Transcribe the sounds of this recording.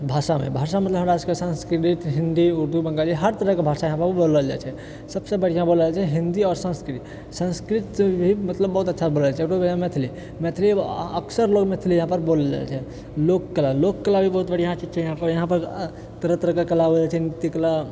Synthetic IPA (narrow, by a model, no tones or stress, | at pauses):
bʱasamḛbʱasamət̪ləbɦəɽaskesə̃nskɾiʈiʈɦĩnd̪iuɾd̪ʱubə̃ŋɡaliɦəɾt̪əɾəɦkebʱasajəɦãpəɾbʱiboləld͡ʒa̰t͡ʃʰɛ | səbsebəɽ̤ijãbolat͡ʃʰɛɦĩnd̪iɔːɾsə̃nskɾit̪i | sə̃nskɾit̪ebʱimət̪ləbːəɦut̪ətːʃʰaboləat͡ʃʰɛʈobamet̪ʰili | mɛt̪ʰiliə̰ksəɾloɡmet̪ʰilijəɦãpəɾboləld͡ʒa̰lt͡ʃʰɛ | lokːəlalokːəlabʱibəɦut̪̚bəɽ̤ijãt͡ʃid͡ʒt͡ʃʰɛjəɦãpəɾjəɦãpəɾ | t̪əɾət̪əɾəɦkekəlaɦod͡ʒat͡ʃʰɛnit̪ikəla